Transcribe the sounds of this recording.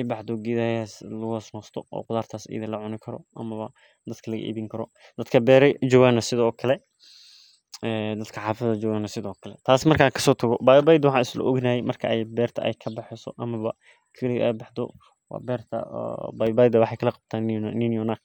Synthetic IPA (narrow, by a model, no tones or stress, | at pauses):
ɛjbɑħd̪ɔɡɪðaːjaslɐɣʊsnɔːst̪ʰɔʔɔ̰ːqʊðaːrt̪ʰaːsɛ̰jðɪlɐʕʊnɪkʰɐɾɔ̰ʔɐmɐβɐ | d̪ɐd̪kʰɐlɐɣɐ̰ʔḭːβɪŋkʰɐɾɔ | d̪̥ɐd̪kʰɐbɛːɾɛd͡ʒɔːɣanɐsɪðɔːkʰɐlɛ | ɛːd̪ɐd̪kʰɐħaːfɐðɐd͡ʒɔːɣanɐsɪðɔːkʰɐlɛ̰t̪ʰaːsmɐrkʰakʰɐ̥sɔːt̪ʰɐɣɔbajbajd̪wɑħɑ̃ːnɪslɔ̰ʔɔɡnajɛjmɐrkʰɐʔɛjbɛːrt̪ʰɐʔɛ̰jkʰɐbɑħɪsɔʔɐmɐβɐ | kʰɐliɛjbɑħd̪ɔ̰ | wɑ̰ːbɛːrt̪ʰɐ̰bajbajd̪ɐwɑħɑjkʰɐlɐqɑb̥̚t̪ʰaːnninjɔnak